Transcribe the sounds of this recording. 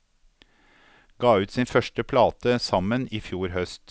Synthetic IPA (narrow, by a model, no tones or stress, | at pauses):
ɡ̥ɑːʉːt̪siːnfœʃʈəpʰlɑːt̪əsɑməniːfjuːɾhœst̪